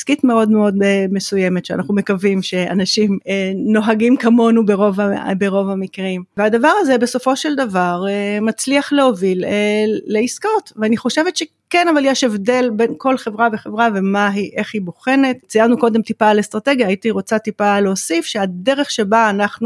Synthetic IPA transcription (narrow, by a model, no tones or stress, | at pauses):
iskit̪meo̞d̪meo̞d̪mesujeme̞t̪ʃea̰naχnume̞kavimʃea̰naʃimeno̞ɦaɡimkamo̞nubeʁovabeʁo̞vamikʁimvead̪avaʁazebeso̞fo̞ʃeld̪avaʁemat͡sliaχleovileːeiskotveaniχo̞ʃevetʃe̞ | kenavaljeʃevde̞lbe̞nko̞lχe̞vʁabeχe̞vʁave̞maɦiʔe̞χhiboχe̞nett͡sijaʁnuko̞de̞mt̪ipaːlest̪ʁate̞ɡjaːit̪iʁo̞t͡satipaleosifʃeade̞ʁeχʃe̞baːnaχnu